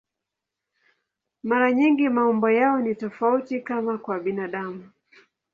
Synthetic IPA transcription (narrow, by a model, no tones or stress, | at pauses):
maɾaɲiŋɡimaɔmbɔjaɔnitɔfautikamakwaɓinaɗamu